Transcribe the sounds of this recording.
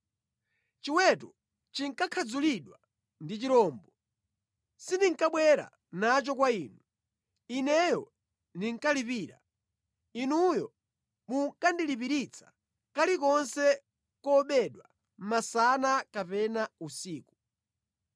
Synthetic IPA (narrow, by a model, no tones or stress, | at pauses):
t͡ʃiwɛtu | t͡ʃiŋkakʰad͡zuliɗwa | ndit͡ʃiɾɔːmbɔ | sindiŋkaɓwɛɾa̰ | nat͡ʃɔkwaiːnu | inɛjɔ | niŋkalipiːɾa̰ | inujɔ | muŋkandilipiɾit͡sʰḁ | kalikɔnsɛ | kɔɓɛɗwa | m̩masanakapɛnausiːku̥